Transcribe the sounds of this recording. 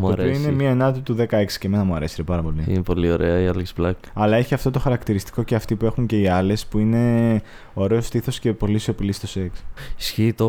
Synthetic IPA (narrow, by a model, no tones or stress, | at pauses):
mɐɾoinemiɐenɐt̪it̪uðe̞kɐe̞ksi̥ceme̞nɐmuɐɾe̞siɾepɐɾɐpo̞liḭnepo̞lio̞ɾeɐiɐleksb̥lɐkɐlɐe̞çiɐft̪o̞t̪o̞xɐɾɐkt̪iɾist̪i̥ko̞ceɐft̪ipue̞xuŋce̞iɐle̞spuine̞ | o̞ɾe̞o̞st̪iθo̞sce̞po̞lisio̞pilist̪oseksisçiːt̪o